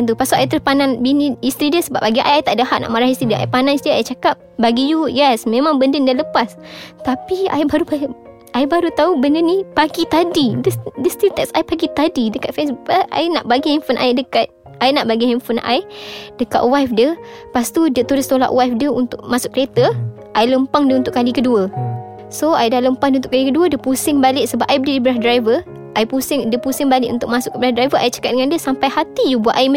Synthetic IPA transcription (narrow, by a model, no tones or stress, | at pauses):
nt̪upasuʔajt̪əɾhpanãnbiniist̪ɾidiəsəbap̚baɡiʔa̰jajt̪aʔdəɦaʔ̚na̰ʔmaɾahist̪ɾidiəʔaipanãnsdiəajt͡ʃakap̚baɡijujɛsmẽmãŋbəndɪŋdialəpast̪apia̰jbaɾuba | ʔajbaɾut̪aubəndənipaɡit̪adidədəst̪ilt̪ɛksajpaɡit̪adidəkat̪̚fɛs̬buʔəa̰inaʔbaɡiinfənʔa̰idəkat̪̚ | ajnaʔbaɡiinfənʔa̰jdəka̰ʔ̪̚wajfdiəpast̪udiət̪ulist̪ola̰ʔwajfdəunt̪ʊʔmasʊʔ̚kəlet̪ə | ʔajləmpaŋdiəunt̪ʊʔkalikəduə | soajdahləmpaŋdiunt̪ʊkalikəduədəpusɪŋbalɪʔsəbapʔajbədədibəɾahdɾajvə | ʔajpusɪŋdəpusɪŋbalɪ̰ʔṵnt̪ʊkʔmãsʊkːəbəɾahdɾajvəʔajʔt͡ʃḁkat̪̚dəŋandiəsampajhat̪ijubuaʔajm